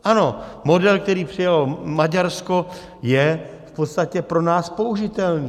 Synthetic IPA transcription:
ʔano̞mo̞dɛlk̚t̪ɛɾiːpr̝̥ɪjalomaɟaɾsko̞ | jɛ | fpot̪st̪acɛpɾo̞naːspo̞uʒɪt̪ɛlniː

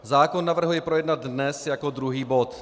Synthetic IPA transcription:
zaːkonːavr̩ɦujɛpɾojɛdnad̪nɛsjakod̪ɾuɦiːbo̞t̪

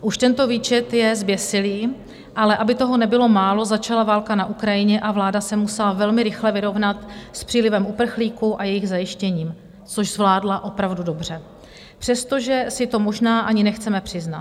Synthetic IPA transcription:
ʔuʃt̪ɛnt̪o̞viːt͡ʃɛt̪jɛzbjɛsɪliː | ʔalɛʔabɪt̪o̞ɦo̞nɛbɪlo̞maːlo̞zat͡ʃalavaːlkanaʔukɾajɪɲɛʔavlaːdasɛmusɛlavɛlmɪɾɪxlɛvɪɾo̞vnat̪spr̝̥iːlɪvɛmupr̩xliːkuʔajɛjɪɣzajɪʃcɛɲiːm | t͡so̞ʒzvlaːdlaʔo̞pɾavdudo̞br̝ɛ | pr̝̥ɛst̪o̞ʒɛsɪt̪o̞mo̞ʒnaːʔaɲɪnɛxt͡sɛmɛpr̝̥ɪzna

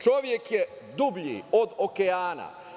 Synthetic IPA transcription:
t͡ʃoʋjekje | d̪ubʎḭod̪okeaːna̰

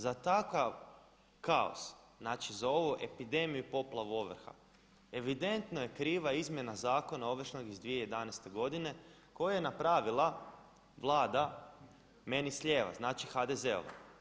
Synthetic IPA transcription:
zat̪akaʋ | kao̰sznaːt͡ʃizao̞ʋuʔepid̪e̞mijupo̞plˠaʋuo̞ʋr̩xa̰ | e̞ʋid̪e̞nt̪no̞je̞kɾiːʋaizmje̞nazaːko̞nao̞ʋr̩ʃno̞ɡizd̪ʋiejed̪anɛjst̪e̞ɡo̞d̪ine̞ | ko̞jajenapɾaːʋilˠa | ʋlˠaːd̪a | me̞nisʎʲe̞ːʋa̰znaːt͡ʃixad̪eze̞o̰ʋa̰

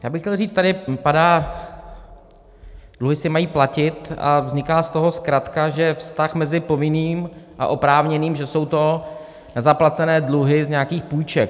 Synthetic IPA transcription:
jaːbɪxcɛlriːt͡st̪adɪpadaː | d̥luɦɪsɪmajiːplacɪt̪a̰vzɲɪkaːst̪o̞ɦo̞skɾat̪kaʒɛfst̪axmɛzɪpo̞vɪniːmʔa̰ʔo̞pɾaːvɲɛniːmʒɛso̞wt̪o̞ | nɛzaplat͡sɛnɛːdluɦɪzɲɛakiːxpuːjt͡ʃɛk̚

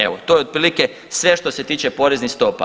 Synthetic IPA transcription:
eʋot̪o̞jed̪̚pɾiːlike | sʋe̞ʃt̪o̞se̞t̪iːt͡ʃepo̞ɾe̞znixst̪o̞pa̰

